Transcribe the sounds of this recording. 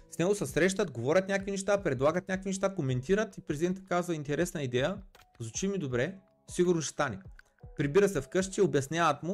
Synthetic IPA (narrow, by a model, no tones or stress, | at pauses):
snɛɡosɐsɾɛʃ̬t̪ət̪ɡovɔɾʲət̪nʲakvinɛʃt̪apɾɛd̪lˠaɡət̪nʲakvinɛʃ̬t̪akomɛnt̪iɾət̪ipɾɛzʲidɛnt̪ɐ̥kazvɐint̪ɛɾɛsnɐid̪ɛjə | zot͡ʃimid̪obɾɛ | siɡʊɾnosst̪anʲi | pɾibiɾəsɛfkɤʃt͡ʃiobjɐsnʲaət̪mʊ